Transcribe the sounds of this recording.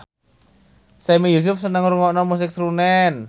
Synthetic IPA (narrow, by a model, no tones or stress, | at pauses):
sɛmijus̬ʊf̚sənəŋɾuŋɔʔnɔmus̬ɪk̚sɾunɛn